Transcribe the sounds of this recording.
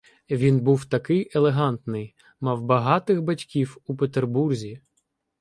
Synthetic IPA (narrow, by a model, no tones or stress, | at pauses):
ʋʲinbuwt̪ɐkɪjelˠeɦɑnt̪nɪj | mɑwbɐɦɑt̪ɪɣbɐtʲkʲiwupet̪erburzʲi